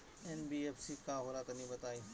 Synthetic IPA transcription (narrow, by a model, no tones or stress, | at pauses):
enbiːeːfsikãːɦoɾat̪ɐnĩbɐt̪aːĩː